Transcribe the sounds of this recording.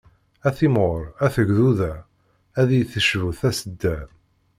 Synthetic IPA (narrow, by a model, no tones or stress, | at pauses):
æθimoɾæθəʝðuðæ | æðijθəʃvuθæsəd̪ːæ